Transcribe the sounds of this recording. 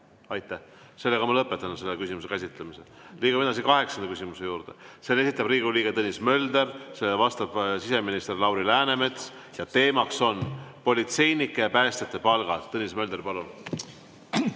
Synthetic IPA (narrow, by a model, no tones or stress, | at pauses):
ɑjt̪ːˑæh | se̞lːeɡɑmɑlɤpːˑet̪ːˑɑnuse̞lːekysʲimuse̞kæsʲit̪ˑlemise | liːɡumed̪ɑs̬ikɑɦe̞ksɑnɑkysimuse̞juːɾd̪̥ḛse̞e̞s̬ʲit̪ːˑɑbriːɡuliːɡet̪ɤnʲismø̞ld̪e̞rselːevɑst̪ɑb̥sise̞minist̪e̞rlɑwɾilæːne̞me̞t̪s | jɑt̪e̞ːmɑkso̞npo̞lʲit̪se̞jnikːˑejɑpæːst̪et̪ːˑepɑlɡ̥ɑ̰t̪ːɤnʲismø̞ld̪e̞ɾpɑlun